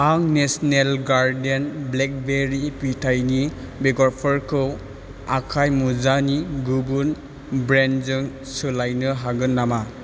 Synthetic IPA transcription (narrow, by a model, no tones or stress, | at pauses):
aŋnesɔnelɡaɾdenblek̚beɾipitʰajni | beɡɔɾpʰɔɾkʰɯw | akʰajmuzaniɡubun | bɾenzɯŋ | sɯlajnɯɦaɡɯnːama